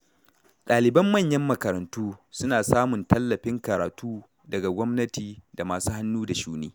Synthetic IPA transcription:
ɗaː˨lɪ˨bɐ˦mːɐ˦˨ɲjɐ˦mːɐ˨kɐ˨ɾɐ˨ntuː˦sʊ˦naː˨saː˦mʊ˨ntʰɐ˦lːɐ˨ɸɪ˦ŋkɐ˨ɾaː˨tuː˦ | dɐ˨ɡa˨ɡʷɔ˦mnɐ˦tiː˨da˨maː˨suː˦ha˦nːuː˦da˨ʃuː˦niː˦

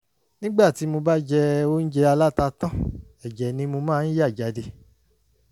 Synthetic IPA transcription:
nĩ˦ɡ͡ba˦˨ti˨˦mo˧ba˦d͡ʒɛ˧o˦n̩˦d͡ʒɛ˧a˧la˦ta˧tã˦ | ɛ˨d͡ʒɛ˨nĩ˧mo˧mãː˦˨n̩˦ja˦˨d͡ʒa˨˦de˧

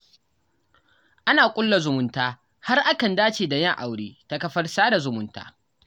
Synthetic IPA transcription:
ʔa˦naː˨kʷʼʊ˦lːa˨zʊ˨mʊ˦ntaː˦ | ha˦rʔa˦kɐ˨ndaː˦t͡ʃeː˨da˨jɐ˦ŋʔa˨wɽiː˦ta˦kɐ˦ɸɐ˦rsaː˦da˨zʊ˨mʊ˦nta̰ː˦

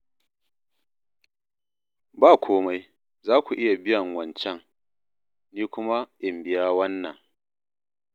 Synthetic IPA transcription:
baː˦˨kʷʰoː˦ma˦j | zaː˦kʷu˨ʔɪ˦ja˨bɪ˦jɐ˨ŋwɐ˨nt͡ʃɛ˦ŋ | niː˦kʷʊ˦ma˦ʔɪ˨mbɪ˨jaː˦wɐ˦nːɐ˨ŋ

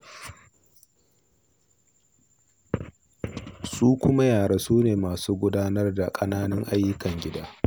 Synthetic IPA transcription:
suː˦kʷʊ˦ma˦jaː˨ɽa˨suː˦neː˨maː˨suː˦ɡʷʊ˦daː˦nɐ˦rda˨kʼɐ˦naː˦nɪ˦ŋʔa˦jːʊ˦kɐ˨ŋɡʲɪ˦daː˦

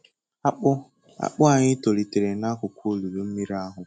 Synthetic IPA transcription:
a˦k͡pʊ˦ | a̰˨k͡pʊ˦a˨ɲɪ˦to˨ɾi˨te˨ɾe˨na˦kʊ˨kʷu˦lu˨ɾu˨m̩˦mi˦ɾa˦ɦʊ˨

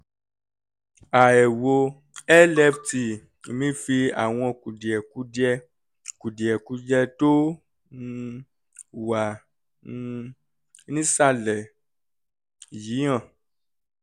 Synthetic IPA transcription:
a˨ɛ˨wo˧ | ɛ˦lɛ˦fti˧˨ | mĩ˦fi˧a̰˨w̃ɔ̃˧˨ku˨di˨ɛ˨ku˨˦d͡ʒɛ˧˦ | ku˨di˨ɛ˨ku˨˦d͡ʒɛ˧to˦˧ | wã˨˧˦ | nĩ˦sa˦˨lɛ˨ | jĩ˨˦ã˦˨

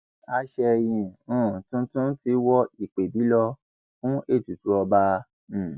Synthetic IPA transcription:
a˧ʃɛ˧jĩ˨ũ˦˨tũ˧˦tũ˦ti˧˦wɔ˧i˨k͡pe˨bi˨˦lɔ˧ | fũ˦ʔe˦˨tu˨tu˨˦ɔ˧ba˧˦˨

